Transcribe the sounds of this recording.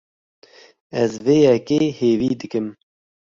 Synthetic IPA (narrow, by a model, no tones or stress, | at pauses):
ɛzveːjɛkeːheːviːd̪ɨkɨm